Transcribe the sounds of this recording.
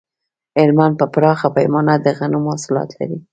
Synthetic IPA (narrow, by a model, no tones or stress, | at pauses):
ɪɾmand̪̚pəpɾɑxapajmɑnad̪əɣanumɑsʊlɑ̰t̪la̰ɾi